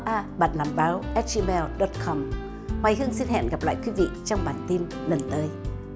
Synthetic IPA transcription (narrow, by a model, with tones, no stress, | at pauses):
ʔaː˧ɓa̰ː˧˨nlaː˨˩mɓaː˨˦wʔɛ˦˥t̚zi˧mɛ˧lɗɔ˨˦t̚kʰɔ˧m | hwaː˨˩jhɨ˧əŋsi˧nhɛ̰˧˨nɣa˨˩p̚la̰ː˧˨jkwi˨˦vḭ˧˨t͡ɕɔ˧wŋ͡mɓaː˨˩nt̪i˧n | lə˨˩nt̪əː˨˦j